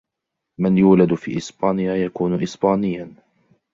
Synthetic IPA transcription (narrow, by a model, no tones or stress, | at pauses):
manjuːlad̪fḭːʔɪsbaːnɪjajakuːnʊʔɪsbaːnɪjːa